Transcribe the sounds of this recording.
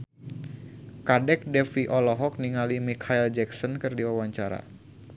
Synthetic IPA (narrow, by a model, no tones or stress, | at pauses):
kadɛk̚dɛfiʔɔlɔɦɔk̚niŋalimikʰaild͡ʒɛksɔnkɨrdiwawaɲt͡ʃaɾa̰